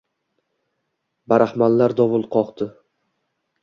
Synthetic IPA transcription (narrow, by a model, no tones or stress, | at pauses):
baɾahmanlaɾd̪ɒvʊlˠqʰɒqt̪ɪ